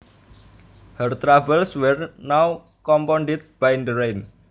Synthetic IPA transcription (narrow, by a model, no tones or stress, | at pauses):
hərt̪ɾabəlswɛrnaw | kɔmpɔnɖɪt̪̚b̥ajndəɾejn